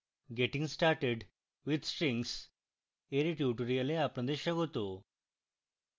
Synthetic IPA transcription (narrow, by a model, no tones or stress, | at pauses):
ɡeʈĩŋɡsʈaɾʈeɖ | ʋid̪sʈɾĩŋs | eɾiʈjuʈəɾialeapnə̃d̪eɕaɡot̪o